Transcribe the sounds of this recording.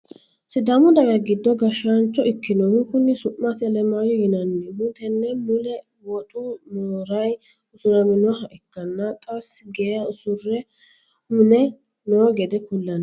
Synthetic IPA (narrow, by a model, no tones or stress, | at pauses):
sɪd̪ɐmʊd̪ɐɡɐɡɪd̪ːɔɡɐʃɐnt͡ʃːɔʔɪkːɪnɔhʊŋkːʊnːɪsʊʔːasɐlɛmajɔjɪnɐnːɛmʊt̪ɛnːɛmʊlɛ | wɔt̪ʼʊmoːɾɐj | ʊsʊɾɐmɪnʊɦɐʔɛkːɐnːɐt̪ʼɐsːɡɛaʊsʊrːɛ | hʊnɛ | nɔɡɛd̪ɛkʊlːɐn